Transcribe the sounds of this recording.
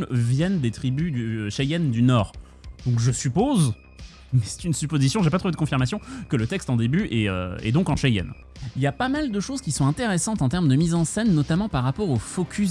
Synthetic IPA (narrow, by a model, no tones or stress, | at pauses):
vjɛnd̪et̪χibyd̪yʃajɛnd̪ynɔːʁ | d̪ɔ̃kʒəsypoz | mɛsɛ̥t̪ynsypozisjɔ̃ʒep̬at̪χuved̪əkɔ̃fiʁmasjɔ̃kələt̪ɛkst̪ɑ̃d̪ebyʔɛø̰ɛ̰d̪ɔ̃kɑ̃ʃajɛ̰n | iljapamald̪əʃozkʲisɔ̃ɛ̃t̪eʁɛsɑ̃t̪ɑ̃t̪ɛʁmd̪əmizɑ̃sɛnːɔt̪amɑ̃paʁːapɔʁofokʲʰy